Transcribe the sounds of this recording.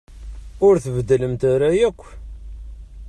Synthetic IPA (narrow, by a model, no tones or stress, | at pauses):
ʊɾθəvəd̪ːələmt̪aɾajækʷː